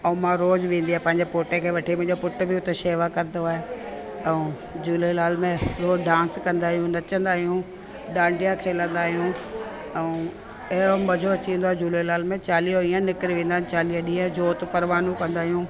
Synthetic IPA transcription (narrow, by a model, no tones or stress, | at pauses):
ɐũmãɾoːzʋẽːn̆d̪iaːepɐ̃ɦɪɲd͡ʑepoːʈekʰeːʋɐʈʰimʊ̃ɦɲd͡ʑopʊʈ̆bɪʊt̪eʃeːʋakɐɾnd̪oaːɦe | ɛ̃ũ | d͡ʑuːlelaːlmẽɾoːɖãːnskɐ̃nd̪aːɦijũnɐt͡ɕə̃nd̪aːɦijũ | ɗãːɳɖijakʰeːlə̃nd̪aːɦijũ | ɛũ | ɐɦɪɾomɐd͡ʑʱot͡ɕĩnd̪oaːɦed͡ʑuːlelaːlmẽt͡ɕaːlijoiːə̃nɪkɪɾiʋẽːnd̪aːɦjũt͡ɕaːliaɗĩaɦed͡ʑoːt̪pɐɾʋaːnũkɐ̃nd̪aːɦijũː